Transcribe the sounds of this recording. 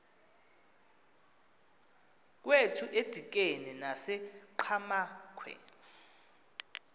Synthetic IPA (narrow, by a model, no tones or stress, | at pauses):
k̬wetʰuʔed̥ʱik̬enɛnasɛǃʰamakʰwɛ̰